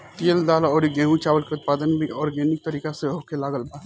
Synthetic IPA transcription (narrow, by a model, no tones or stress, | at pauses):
t̪iːld̪aːlaɔːɾiɡẽːɦũt͡ʃaːʋəlkeʊt̪̚paːd̪ənbʱiɔːɾɡɛːnɪk̚t̪ɐɾiːkaseɦoːkelaːɡəlbaː